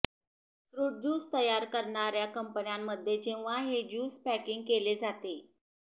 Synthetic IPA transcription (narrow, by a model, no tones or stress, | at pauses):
sɾuʈ̚d͡ʑuːst̪əjaɾkəɾɳaɾjakəmpənjamːəd̪ʱːjed͡ʑeʋ̤aɦed͡ʑuːspækiŋɡ̚keled͡zat̪e